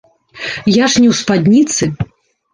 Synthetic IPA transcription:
jaʂnʲɛwspad̪ʲnʲit̪sɨ

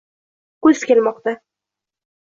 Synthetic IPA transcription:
kɵzkʲelmɒq̚t̪a

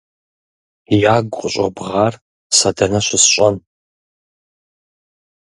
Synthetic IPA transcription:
jaːɡʷʼqʷʼʊɕʼɐbʁaːr | sɐdɐnɐʃʷɪsɕʷʼɐn

